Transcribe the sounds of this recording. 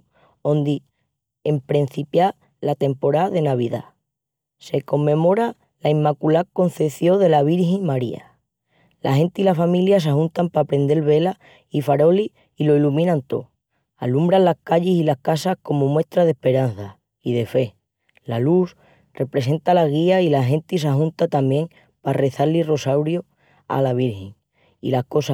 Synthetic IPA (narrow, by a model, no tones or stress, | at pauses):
o̞nd̪i | empɾen̟θipja | lat̪e̞mpo̞ɾaðe̞naβ̞iða̰ | se̞ko̞mːẽ̞mo̞ɾa | laimːakulako̞n̟θe̞θjo̞ðe̞laβ̞iɾhiŋmaɾia̰ | lahẽ̞nt̪ilafamiljas̬aɦunt̪ampaːpɾe̞nd̪e̞lβe̞la | ifaɾo̞liː | lo̞ilumĩnãnt̪o | alumbɾanlːahkaʎesilahkasahko̞momwe̞st̪ɾaðe̞hpe̞ɾan̟θa | iðe̞fe̞ | laluθ | re̞pɾe̞se̞nt̪alaɣ̞iailaɦe̞nt̪is̬aɦũnt̪at̪amjẽ̞ŋ | pare̞θaliro̞sawɾjo | a̰laβ̞iɾheŋ | ḭlahko̞sa